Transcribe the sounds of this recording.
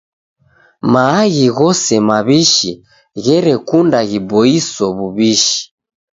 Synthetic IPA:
maːɣiɣɔsɛmaβiʃi | ɣɛɾɛkundaɣibɔisɔβuβiʃi̥

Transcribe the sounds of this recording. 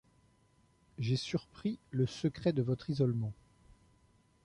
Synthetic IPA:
ʒesyʁpχiləsəkχɛd̪əvɔt̪χizɔlmɑ̃

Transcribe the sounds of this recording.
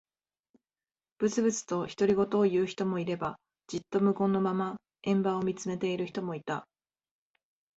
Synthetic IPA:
b̥ɯ̟t͡sɨbɯ̟t͡sɨ̥t̪o̞çi̥t̪o̞ɾʲiɡo̞t̪o̞ːjɯ̟ːçi̥t̪o̞mo̞iɾe̞ba | d͡ʑit̪ːo̞mɯ̟kõ̞nːo̞mama | ẽ̞mbao̞mʲit͡sɨme̞t̪e̞iɾɯ̟çi̥t̪o̞mo̞it̪a

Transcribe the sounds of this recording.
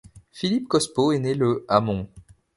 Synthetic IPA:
filip̚kɔspoeneləamɔ̃

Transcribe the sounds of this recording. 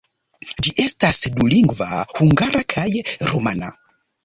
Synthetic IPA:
d͡ʒiʔestasduliŋɡva̰huŋɡaɾakʰajɾomana̰

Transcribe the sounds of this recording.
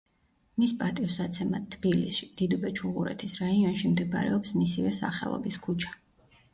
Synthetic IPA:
mispʼat̪ʼivsat̪sʰɛmat̪ʰːb̥ilḭsʃid̪̥id̪ubɛt͡ʃʰuʁuɾɛ̰t̪ʰisɾaiɔnʃimd̪ɛb̰ɾɛ̰ɔpsmisivɛsa̰χɛ̰lˠɔ̰biskʰut͡ʃʰḁ

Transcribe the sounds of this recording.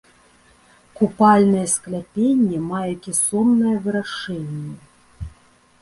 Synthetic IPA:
kupalʲnɐjɛsklʲapʲenʲːemajɛkʲisomnɐjɛvɨɾaʂɛnʲːe

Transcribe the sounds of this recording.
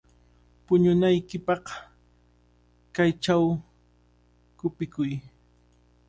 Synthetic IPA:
pʊɲʊnajkɪpɑq | kajt͡ʃaw | kʊpɪkʊj

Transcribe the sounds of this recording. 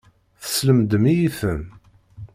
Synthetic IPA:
θə̥sləmd̪əmijiθən

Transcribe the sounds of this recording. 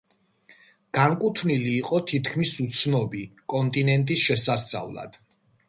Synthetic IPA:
ɡ̥aŋkʼut̪ʰniliːqʼɔt̪ʰit̪ʰkʰmisut̪sʰnɔbikʼɔnt̪ʼinɛnt̪ʼisʃɛsast̪sʼa̰vlˠa̰d̪̥

